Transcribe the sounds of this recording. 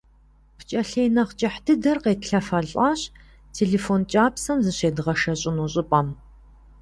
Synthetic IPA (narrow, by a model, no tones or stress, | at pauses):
pʰt͡ʃʼɐɬeːjnɐχt͡ʃʼɐħdɨdɐrqeːtɬɐfɐɮʼɐɕ | tʰeːɮeːfoːnt͡ʃʼaːpsɐmzɨɕeːdɨʁɐʃɐɕʼɪnuːɕʼɪpʼɐm